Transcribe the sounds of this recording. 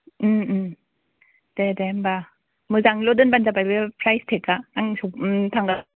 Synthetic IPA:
ɯɯ | d̥edemba | mɯzaŋlɔdɯnbanzabajbɯpʰɾajstʰekːaːŋsɔktʰaŋɡa

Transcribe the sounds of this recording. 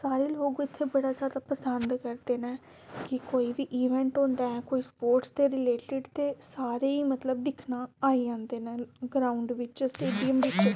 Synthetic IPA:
saːɾeːloːɡɪt̪ʰːeːbəɽaːd͡ʒaːd̪aːpəsənd̪kəɾd̪eːnɛː | kɪkoːiːʋiːʔiːʋɛ̃ːɳʈõːnd̪aːɛːkoːiːspoːɾʈst̪eːɾɪleːʈɪɖt̪eːsaːɾeːiːmət̪ləb̚d̪ɪkʰnaːaːiːd͡ʒãːnd̪eːnɛːɡɾaːʊɳɖʋɪt͡ʃsʈeːɖijəmʋɪkʰe

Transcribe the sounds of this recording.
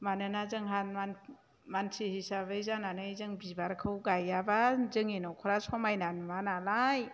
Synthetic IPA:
manɯnazɯŋɦanman | mansʰihisabɯjzananɯjzɯŋbibaɾkʰɯwɡajabazɯŋinɔkʰɔɾasʰɔmajnanmanalaj

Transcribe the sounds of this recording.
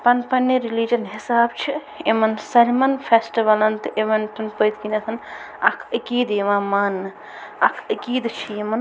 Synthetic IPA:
pɐnpɐnːeɾilid͡ʒɐnɦisaːbt͡ʃʰi | emɐnsɐɾʲmɐnpʰesʈiʋɐlɐnt̪ʔeʋɐnt̪unpəjt̪kinesʰɐn | ɐkʰəkiːd̪emãmaːnːɨ | ɐkʰəkiːd̪t͡ʃʰiemɐn

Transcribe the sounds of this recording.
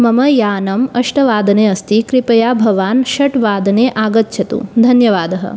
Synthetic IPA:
mɐmɐjaːnɐmɐʂʈɐʋaːd̪ɐneːɐst̪ikɾipɐjaːbʱɐʋaːnʃɐʈʋaːd̪ʱɐneːʔaːɡɐt̪ːʃʰɐt̪ṵd̪ʱɐnjɐʋaːd̪ɐɦɐ̰

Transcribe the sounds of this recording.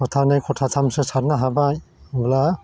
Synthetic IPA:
ɔtʰanajkʰɔtʰatʰamsɯsaɾ̚naɦabajbla

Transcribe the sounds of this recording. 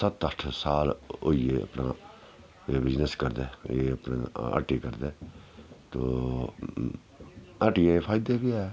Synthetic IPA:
sət̪əʈʰsaːlo̰iːeə̰pna̰ː | eːbɪd͡ʒnəskəɾd̪eːeːəpnḛːə̰ʈiːkəɾd̪eːt̪oː | əʈijẽpʰaːɪd̪eːbiɛː

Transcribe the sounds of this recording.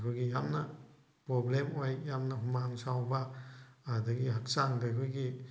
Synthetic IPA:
kʰujɡijamnɐ | pɾɔblemojjamnɐɦumaŋsawbaː | dɐɡiɦak̚saŋdakʰujɡi

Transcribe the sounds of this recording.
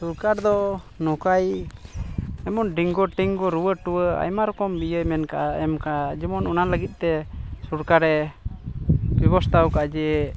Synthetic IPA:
suɾkaɾd̪ɔ | nɔkaj | ɛmɔnɖiŋɡɔʈiŋɡɔɾuwəʈuwəa̰jmaɾɔkɔmbijəjmɛnkaʔaɛmkad͡ʒɔmɔnɔnaləɡit̪̚ˀt̪ɛsuɾkaɾɛ | bɛbɔst̪awkaʔad͡ʒɛ

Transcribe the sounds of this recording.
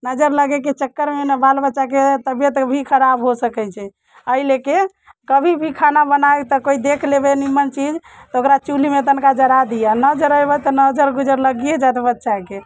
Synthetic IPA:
nəd͡ʒəɾləɡɛket͡ʃəkːəɾmenəbalbətːʃaket̪əbjət̪bʱikʰəɾabɦosəkɛjt͡ʃʰɛ | əileke | kəbʱibʱikʰanabənaet̪ɔkoid̪ekʰlebenimənt͡ʃid͡ʒ | t̪ɔokɾat͡ʃulimet̪ənkad͡ʒəɾad̪ijanəd͡ʒəɾəjbət̪ɔnəd͡ʒəɾɡud͡ʒəɾləɡijed͡ʒat̪bətːʃake

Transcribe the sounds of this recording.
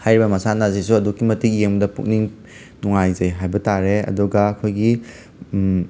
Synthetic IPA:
hajɾibɐmɐsanɐzisuɐdukːimɐtik̚jeŋbdɐpṵk̚niŋ | nuŋajzɐjɦajbɐtaɾeɐ̰duɡɐːkʰojɡi

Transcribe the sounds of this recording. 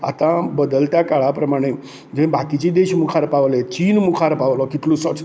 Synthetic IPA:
a̰t̪ãbəd̪əlt̪jakaɭapɾəmaɽ̃e | d͡ʑẽĩbakit͡ɕid̪eɕmukʰaɾpaʋlet͡ɕinmukʰaɾpaʋlɔkiʈ̪lusət͡s

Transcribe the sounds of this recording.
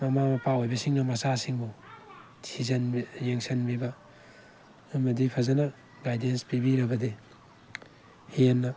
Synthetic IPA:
mɐmamɐpawojbɐsiŋnɐmɐsasiŋbu | tʰizɐnjeŋsɐnbibɐ | mɐdipʰɐzɐnɐ | ɡajdenspibiɾɐbɐdi | henːɐ

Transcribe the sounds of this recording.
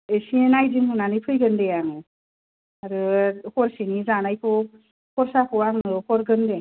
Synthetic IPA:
esienajziŋhɯnanɯjpʰɯjɡɯndejaŋɯ | aɾɯkʰɔɾsinizanajkʰɯ | kʰɔɾsakʰɔwaŋɯkʰɔɾɡɯnde

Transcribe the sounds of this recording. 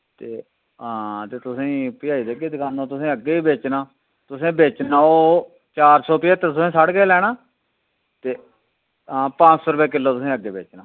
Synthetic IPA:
t̪eː | ɦãːt̪eːt̪ʊsĩːpɪjaːiːd̪eːɡeːd̪ɪkaːnoːt̪ʊsĩːəɡːeːiːbeːt͡ʃnaː | t̪ʊsĩːbeːt͡ʃnaːoː | t͡ʃaːɾsɔːpɪjeːt̪ːət̪ʊsĩːsəɽɡeːlɛːɽaː | t̪eː | ɦãːpãːt͡ʃsoːɾəbeːk̬ɪlːoːt̪ʊsĩːəɡːeːbeːt͡ʃnaː

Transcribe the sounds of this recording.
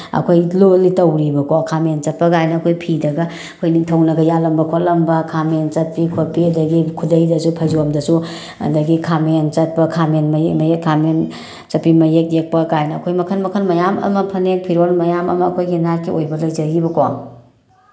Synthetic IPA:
ɐ̰kʰojlolitɐwɾibɐkoakʰament͡ʃɐt̚pɐkajnɐːkʰojpʰidɐɡɐ | kʰojniŋtʰɐwnɐɡɐjalɐmbɐkʰotlɐmbɐkʰament͡ʃɐt̚pikʰot̚piɐdɐɡikʰudɐjdɐsupʰɐjzuomdɐsu | ɐ̰dɐɡikʰament͡ʃɐt̚pɐkʰamenmɐmkʰamen | t͡ʃɐt̚pimɐjek̚jek̚pɐɡajnɐːkʰojmɐkʰɐnmɐkʰɐnmɐjamɐ̰mɐpʰɐnek̚pʰiɾolmɐjamɐ̰mɐɐkʰojɡinaɾkʰiojbɐlɐjd͡ʒɐɡibɐkwa

